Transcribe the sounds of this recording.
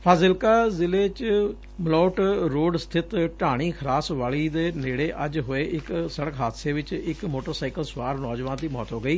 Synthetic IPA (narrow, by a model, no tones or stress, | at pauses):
pʰaːzɪlkaːzɪleːt͡ʃ | məlɔːʈɾoːɖst̪ʰɪt̪ʈaːɽ̃iːkʰəɾaːsʋaːɭiːd̪eːneːɽeːʔəd͡ʒɦoːeːʔɪksəɽəkɦaːd̪seːʋɪt͡ʃɪkmoːʈəɾsaːɪkəlsʋaːɾnɔːd͡ʒʋãːnd̪iːmɔːt̪ɦoːɡəiː